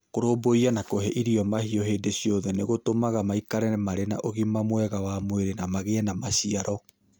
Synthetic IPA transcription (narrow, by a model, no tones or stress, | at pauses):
koɾoboianakoɦɛʔiɾiɔmahiɔɦeːdeɕiɔðɛneɣotomaɣamaikaɾɛɛmaɾena̰ʔoɣimamwɛɣawamweɾenamaɣeɛnamaɕiaɾɔ